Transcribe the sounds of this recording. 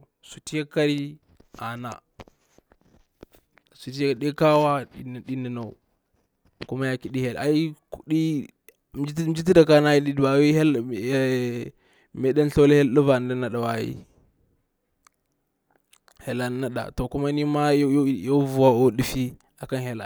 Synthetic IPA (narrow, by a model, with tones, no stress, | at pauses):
su˨ti˦ja˦ka˦ɾi˦ | a̰˨na̰˨ | su˨ti˦ja˦˨ɗe˦ka˦wa˦˨ɗi˦ni˨no˨ | ku˦ma˦ja˦ki˨ɗi˦he˨la˨i˦ku˦ɗi˦ | d͡ʒi˦t̬i˦da˨ka˦na˦i˦di˦dba˨wi˦ɦe˦l | me˦ɗa˦n˦ɬo˦le˦he˦llu˦va˨n˨da˦na˦˨da˨wa˨jḭ˦ | he˨la˨n˦na˦da̰˨to˨ku˦ma˦ni˦ma˦˨jo˦vu˨wa˦o˦ɗi˦fi˦ | a˨ka˦nɦe˨la̰˨